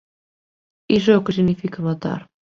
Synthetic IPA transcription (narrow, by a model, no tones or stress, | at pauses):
iʒɛukəsiɣnifikɐmat̪a̰ɾ